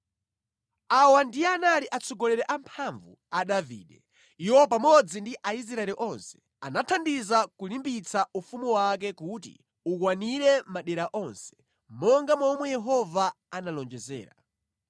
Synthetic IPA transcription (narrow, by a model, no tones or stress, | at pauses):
awandijɛanaliʔat͡sʰɔɡɔlɛɾɛʔampʰaɱvu | aɗavḭːɗɛ | iwɔpamɔd͡zindiʔais̬ɾaɛliʔɔnsɛ̥ | anatʰandizakulimbit͡saufumuwak̬ɛkutḭ | uk̬waniɾɛmaɗɛɾaʔɔnsɛ̥ | mɔŋɡamɔmwɛjɛɦɔva | analɔnd͡ʒɛzɛ̰ːɾa